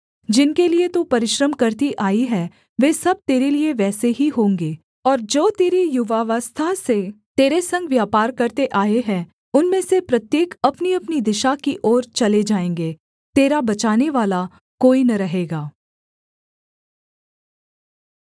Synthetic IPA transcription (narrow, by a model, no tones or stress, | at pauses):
d͡ʒɪnkeliet̪upɐɾɪʃɾəmkɐɾt̪iʔaːiɦɛː | ʋeːsɐb̚t̪eːɾelieʋɛːseɦiɦõːŋɡeː | ɔːɾd͡ʒoːt̪eːɾijʊʋaːʋəst̪ʰaset̪eːɾesɐ̃ŋɡʋjaːpaːɾkɐɾt̪eʔaːeɦɛ̃ | ʊnmẽːsepɾɐt̪jeːkɐpniɐpnid̪ɪʃakiʔɔːɾt͡ʃɐled͡ʒaːẽːŋɡeː | t̪eːɾabɐt͡ʃaːneʋaːla | koːinɐɾɐɦeːɡaː